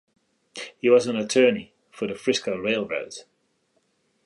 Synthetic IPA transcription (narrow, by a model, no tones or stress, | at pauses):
hiwɒzə̃nətʰɜːni | fəðəfɹɪskəlˠɹeɪlˠɹə̰ʊz̥